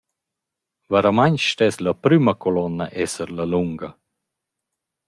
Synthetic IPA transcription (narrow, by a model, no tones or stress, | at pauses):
vaɾamaɲsʃtɛslɐpɾyməkɔlɔnːaʔɛsəɾlaluŋɡɐ